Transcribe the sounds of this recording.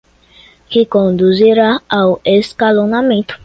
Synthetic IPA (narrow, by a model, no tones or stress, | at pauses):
kɪkõnd̪uziɾaaweskalonamẽnt̪ʊ̥